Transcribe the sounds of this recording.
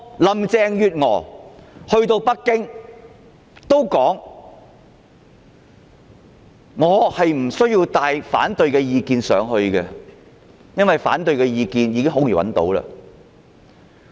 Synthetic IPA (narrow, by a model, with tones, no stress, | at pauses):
lɐ˨mt͡sɛː˧ŋjyː˨t̚ŋɔː˨˩hɵ˧ɥt̪o˧wpɐ˥kːɪ˥ŋ | t̪o˥wkɔː˨˥ŋ | ŋɔː˨˧hɐ˨jm̩˨˩sɵ˥ɥjiː˧wt̪aː˨jfa̰ː˨˥nt̪ɵ˨ɥkɛː˧jiː˨˧kiː˧nsœ̰ː˨˧ŋɦɵ˧ɥkɛ˧ | jɐ˥nwɐ˨jfa̰ː˨˥nt̪ɵ˨˧ɥkɛː˧jiː˧kiː˧njiː˨˧kɪ˥ŋɦo˨˥wjiː˨˩wɐ̰˨nt̪o̰˨˥wlɐ̰ː˧